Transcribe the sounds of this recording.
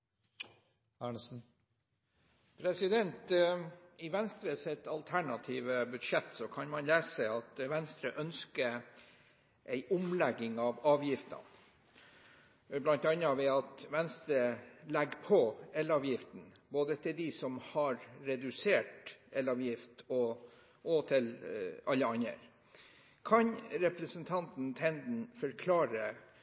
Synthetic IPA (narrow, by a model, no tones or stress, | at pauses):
æɳsn̩ | pʰɾɛsɪd̪ɛnt̪ | ɪʋɛnst̪ɾəsɛt̪ɑlt̪ʰæɳɑt̪ʰiːʋəbʉd̪ʂɛt̪ːsɔkʰɑnmɑnleːsɛɪɑt̪ʋɛnst̪ɾəʔœnskə | ʔæɪʔʊmlɛɡɪŋɑʋɑːʋjɪft̪ɑ̰n | blɑnt̪ɑnɑʋɛɑt̪ʋɛnst̪ɾəlɛɡpʰɔɛlɑːʋjɪft̪n̩ | boːd̪ət̪ʰɪld̪isɔmhɑɾɾɛd̪ʉseːʈʔɛlɑːʋjɪft̪ɔ | ʔɔt̪ʰɪlɑlːəɑnə̰ɾ | kʰɑɲɾɛpɾəsənt̪ʰɑnt̪n̩t̪ʰɛnd̪n̩fɔɾkʰlɑːɾə